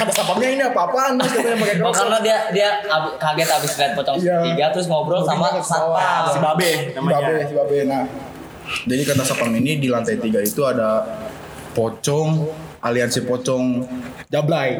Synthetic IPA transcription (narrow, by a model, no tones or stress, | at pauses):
kat̪asapamɲainiapapant̪ʊskataabakakakaɾnadiadiaa | kaɡɛt̪abɪsmliat̪̚pɔt͡ʃɔŋijaiɡat̪ɾʊs̬ŋɔbɾɔlsamaawababɛnambabɛbabɛhnah | d͡ʒadikat̪asapaŋinidilant̪ajt̪iɡait̪uada | pɔt͡ʃɔŋ | ʔaliansipɔt͡ʃɔŋ | d͡ʒablaj